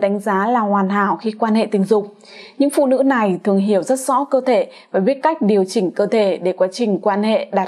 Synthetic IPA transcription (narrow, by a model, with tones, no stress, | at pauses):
ɗa˨˦ŋ̟zaː˨˦laː˨˩hwaː˨˩nɦa̰ː˧˩wxi˧kwaː˧nhḛ˧˨t̪ï˨˩ŋ̟zʊ˨˩k͡pŋ͡m̚ | ɲɨ̰˧˥ŋfṵ˧˨nɨ̰˧˥na˨˩jt̪ʰɨ˨˩əŋɦi˧˩əwzə˦˥t̚z̥ɔ̰˧˥kəː˧t̪ʰe˧˩vaː˨˩ɓi˦˥ət̚ka˦˥jk̟̚ɗi˨˩əwt͡ɕï˨˩ŋ̟kəː˧t̪ʰe˧˩ɗe˧˩kwaː˨˦t͡ɕï˨˩ŋ̟kwaː˧nhḛ˧˨ɗaː˨˩